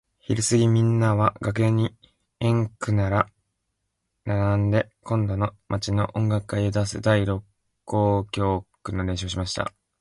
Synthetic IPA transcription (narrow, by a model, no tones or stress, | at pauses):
çiɾɯsɨɡʲimʲĩnːaβaɡak̬ɯ̟eɲ̟i | ẽ̞ŋkɯ̟naɾa | naɾãnd̪e̞ | kõ̞nd̪o̞no̞mat͡ɕino̞ʔõ̞ŋɡakːaied̪asɨ̰d̪aiɾo̞kː | o̞ːkʲo̞ːkɯ̟no̞d̪ẽ̞ɕo̞ːɕ̬imaɕi̥t̪a̰